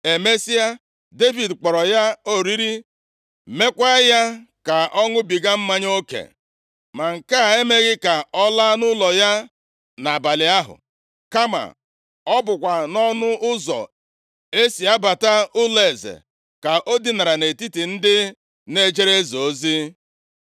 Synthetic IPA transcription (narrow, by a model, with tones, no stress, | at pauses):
e˨me˦si˦a˦ | de˦vi˨dk͡pɔ˨ɾɔ˨ja˦o˦ɾi˦ɾi˦ | me˦kʷa˦ja˦ | ka˨ʔɔ˦ŋʊ˦bi˨ɡa˦m̩˦ma˦ɲ˦o˦kḛ˨ | ma˨ŋ̩˨ka˦˨e˦me˦ɣɪ˦ka˨ɔ˦la˦nʊ˦lɔ˨ja˦ | na˨ba˨lɪ˨a˦ɦʊ̰˨ | ka˦ma̰˨ | ɔ˦bʊ˨kʷa˨nɔ˦nʊ˦ʊ˦zɔ̰˨ | e˦si˨a˦ba˨ta˦ʊ˦le˨zḛ˨ | ka˨ʔo˦di˦na˨ɾa˨ne˨ti˦ti˨n̩˦dɪ˦ | ne˦d͡ʒe˦ɾe˦zo˨˦zi˦